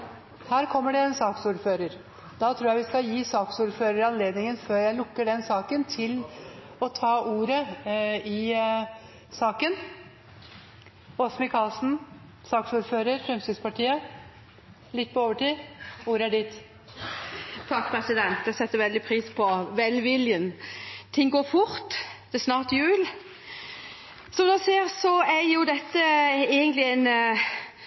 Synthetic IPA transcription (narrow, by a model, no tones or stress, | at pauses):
hæːɾkʰɔmːəɖɛensɑːksuːɾføːɾəɾ | d̪̥ɑt̪ʰɾuːjæɪʋɪskɑjiːsɑːksuːɾføːɾəɾɪɑnleːd̪nɪŋənføːɾjæɪlʊkːəɖɛnsɑːkənt̪ʰɪl | ɔt̪ʰɑːʔuːɾə | ɪ | sɑːkən | ɔsmɪkʰɑːlsn̩ | sɑːksuːɾføːɾəɾfɾɛmst̪ɪspɑʈʰiːə | lɪt̪̚ːpʰɔoːʋəʈiːuːɾɑɖɪt̪ | t̪ʰɑkːpʰɾɛsɪd̪ɛnt̪æsɛt̪ːəɾʋɛld̪ɪpʰɾiːspʰɔʋɛlʋɪljənt̪ʰɪŋːɡoːɾfʊɾt̪d̪̥ɛsnɑːʁʈ̪jʉːl | sɔmd̪æseːɾsɔæɾjʊd̪ɛt̪ːəeːɡənt̪lɪæɪn